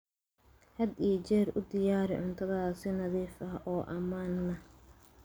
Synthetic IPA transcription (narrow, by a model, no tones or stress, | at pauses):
hɐd̪iɔt͡ʃɛːrʊd̪ɪjaːɾɪ̰ʕʊnt̪ʰɐðaːsɪnɐðiːfɐhʔɔːʔɐmaːnːɐ